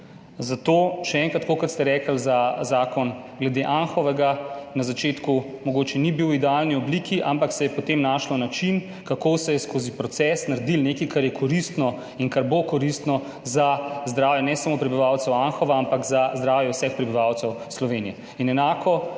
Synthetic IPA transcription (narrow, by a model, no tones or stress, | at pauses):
zat̪oːʃɛɛːŋkɾat̪kokɔt̪st̪ɛɾɛːkəlzazaːkɔn | ɡlɛd̪eʔanxɔʋɛɡanazat͡ʃeːt̪kumɔɡoːt͡ʃɛnibiwid̪ɛalniɔbliːkʰiʔampaksɛjɛpɔt̪emnaːʃlɔnat͡ʃin | kakosɛjɛskoːzipɾɔt̪sɛsnaɾd̪ilneːkikaɾjɛkʰɔɾist̪nɔ | iŋkaɾbokɔɾist̪nɔ | zazd̪ɾaːwjɛnɛsamopɾɛbiʋawt̪sɛwanxɔʋaampakzazd̪ɾaːwjɛwsɛxpɾɛbiʋaːwt̪sɛwslɔʋenijɛ | inɛnaːkʰɔ